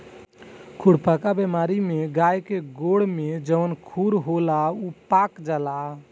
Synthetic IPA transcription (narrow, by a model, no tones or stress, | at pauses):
kʰuɽpəkabɛmaɾimeɡajkeɡoɽmed͡ʒəʋənkʰuɾɦolaupakd͡ʒala